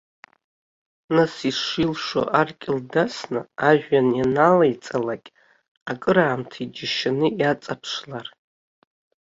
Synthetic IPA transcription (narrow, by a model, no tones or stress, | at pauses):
nasiʂʷilʂo̰ʔarkʲʼɪldasnɨaʒᶣʷanjanalajt͡sʼalakʲʼ | akʼɨɾaːmtʰaid͡ʒɪʃanɨjat͡sʼapʰʂlar